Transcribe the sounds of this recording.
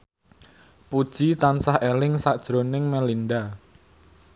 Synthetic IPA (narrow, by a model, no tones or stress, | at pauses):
pud̥ʒ̥it̪ansahelɪŋsaʔd̥ʒ̥ɾonɪŋmɛlinɖa